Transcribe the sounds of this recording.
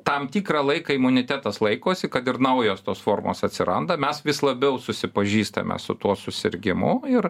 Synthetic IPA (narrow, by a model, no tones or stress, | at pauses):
t̪ɐmt̪ʲiːkɾɑlˠɐɪkɐɪmʊnʲɪt̪ʲæt̪ɐslˠɐɪkoːsʲɪkɐt̪ɪɾnɐʊjoːst̪oːsfoːrmo̰ːsɐt̪ʲsʲɪɾɐnd̪ɐmʲɛsʋʲɪslˠɐbʲɛʊsʊsʲɪpɐʒʲiːst̪ɐ̰mʲɛ̰sʊt̪uɔsʊsʲɪ̰ɾʲɡʲɪmʊɪr